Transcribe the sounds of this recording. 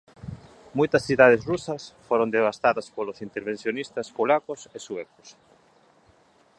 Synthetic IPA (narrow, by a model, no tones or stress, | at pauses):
mojt̪ɐsθiðað̞ezrusɐsfoɾõnd̪eβ̞ast̪aðɐspolosint̪eɾβ̞ẽn̟θjonist̪ɐspolakosesuɛko̥s